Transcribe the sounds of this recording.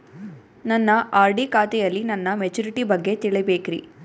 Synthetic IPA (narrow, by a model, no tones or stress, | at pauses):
nɐnːɐʔaːɾɖikaːt̪ɛjɐlːinɐnːɐmed͡ʒuɾiʈibɐɡːe̞t̪iɭɛbeːkiɾḭ